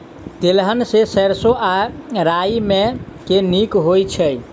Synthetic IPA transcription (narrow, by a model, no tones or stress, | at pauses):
t̪elɦənsesəɾsoʔaɾaimekenikɦojt͡ʃʰə